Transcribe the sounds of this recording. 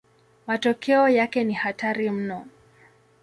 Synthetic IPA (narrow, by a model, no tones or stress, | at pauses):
matɔkʰɛɔjakɛnihataɾim̩nɔ